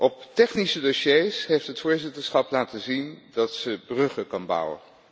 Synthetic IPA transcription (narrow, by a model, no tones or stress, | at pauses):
ʔɔptɛχnisədoʃejsɦejftɦətfʊːɹzɪtəɹsχɑplaːtəzindɑtsəbrɵχəkɑnbʌ̰wə̰n